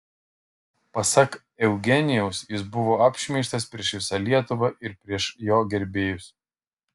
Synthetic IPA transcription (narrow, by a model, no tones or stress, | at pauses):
pɐsɐk | ɛʊɡʲɛnʲɪjɛʊsjɪsbʊʋoːɑpʲʃʲmʲɛɪʃʲt̪ɐspʲɾʲiɛʃʋʲɪsɑlʲiɛt̪ʊʋɐʔɪɾpʲɾʲiɛʃjoːɡʲɛɾʲbʲeːjʊs